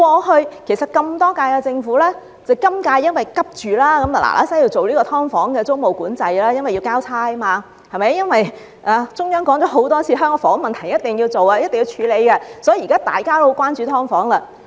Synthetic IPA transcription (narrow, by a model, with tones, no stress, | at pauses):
kɔː˧hɵ˧ɥkʰe˨˩sɐ˨t̚kɐ˧mt̪ɔː˥kaː˧jkɛ˧t͡sɪ˧ŋfuː˨˥lɛː˥ | t͡sɐ˨˩wkɐ˥mkaː˧jːɐ˥nwɐ˨˩jkɐ˥p̚t͡ʃyː˨laː˥kɐ˨˦ma˨la̰˨˩lʔa̰ː˨˥sɐ˨˥jiː˧wt͡so˨wliː˥kɔ˧t̪ʰɔː˥ŋfɔː˨˥ŋkɛː˧t͡so˥wmo˨˩wkuː˨˥nt͡sɐ˧jlaː˥jɐ˥nwɐ˨ji˧wkaː˥wt͡sʰaː˥jmaː˧ | hɐ˨jmɐ˨˦jːɐ˥nwɐ˨j | ʔaː˧t͡sʊ˥ŋjœː˥ŋkɔː˨˥ŋt͡ʃɔ˨˧˥ɦo˨˥wt̪ɔː˥t͡sʰiː˨˧ɦœː˥ŋkɔ˧fɔː˨˥ŋmɐ˨nt̪ʰɐ˨˩ŋjɐ˥t̪ɪ˨ŋji˧wt͡so˨wa˧jɐ˥t̪e˨ŋjiː˧wt͡ʃʰyː˨˧le˨˧jkɛ˧sɔ˨˥jkaː˥t̪a̰ː˨jkaː˥t̪o˥˧kwaː˥nt͡ʃy˨˧t̪ʰɔː˥ŋfɔː˨˥ŋlɐ˧